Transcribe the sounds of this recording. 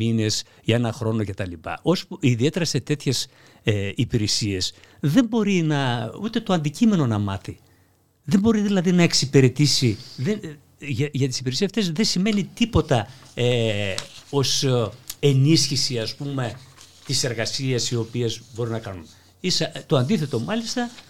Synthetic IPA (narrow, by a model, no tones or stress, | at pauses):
ine̞s | ʝɐe̞nɐxɾo̞no̞ce̞t̪ɐlipɐ̰ʔo̞spiðie̞t̪e̞ɾɐse̞t̪e̞t̪çe̞s | eipiɾesie̞sðe̞mbo̞ɾinɐut̪e̞t̪oɐnd̪icime̞no̞nɐmɐθi | ðe̞mbo̞ɾiðilɐðinɐe̞ksipeɾe̞t̪isiðe | ʝɐʝɐt̪i̥sipiɾesisft̪e̞sðe̞sime̞nit̪ipo̞t̪ɐe | o̞senisçisiɐspume̞t̪ise̞ɾɣɐsiɐsio̞piezbo̞ɾinɐkɐnun | isɐt̪o̞ɐnd̪iθe̞t̪o̞mɐlist̪ɐ